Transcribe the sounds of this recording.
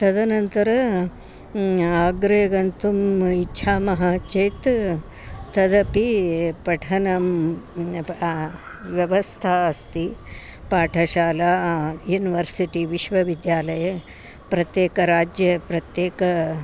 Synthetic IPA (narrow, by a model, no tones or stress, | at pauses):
t̪ɐd̪ʱɐnɐnt̪ɐɾɐ | ɐɡɾeːɡɐnt̪umitːʃʰaːmɐɦat͡ʃejt̪ | t̪ɐd̪ɐpipɐʈʰɐnɐm | ʋjɐʋɐst̪ʰaːɐst̪i | paːʈʰɐʃaːlaːjuːniʋɐɾsiʈiʋiʃʋɐʋid̪jaːlɐjɐ | pɾɐt̪jeːkɐɾaːd͡ʒjɐpɾɐt̪jeːkɐ